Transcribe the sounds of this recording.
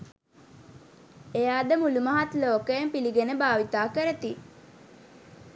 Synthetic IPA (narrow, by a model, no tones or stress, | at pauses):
ejaːd̪əmuluməɦat̪loːkəjempiliɡenəbaːʋit̪aːkəɾət̪i